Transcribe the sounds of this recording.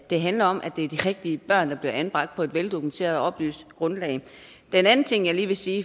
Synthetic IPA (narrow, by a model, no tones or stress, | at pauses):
d̥e̝ɦænlɐɒ̽mʔæd̥e̝æɐd̥iʁɛɡ̥̚d̥iəb̥ɶɐ̰nd̥ɑ̈b̥liɐʔænb̥ʁɑ̈ɡ̥̚d̥̚pʰɒ̽e̝d̥ʋeld̥o̝kʰument͡sʰe̝̰ːɐðˠɒ̽b̥ly̰ːsd̥ɡ̥ʁɔ̽nlɛ̰ɪ | d̥enæn̩t͡sʰe̝ŋ̰jɑ̈ɪliːʋe̝siː